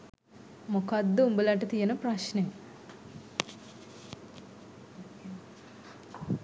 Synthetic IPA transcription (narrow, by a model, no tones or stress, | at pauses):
mokad̪ːəumbəlaʈət̪ijenəpraʃne